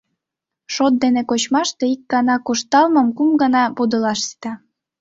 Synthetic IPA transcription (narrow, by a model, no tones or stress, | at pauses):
ʃot̪̚d̪enekot͡ɕmɑʃt̪eikːɑnɑkuʃt̪ɑlmɤ̆mkumɡənɑpud̪əlɑʃsi̥t̪ɑ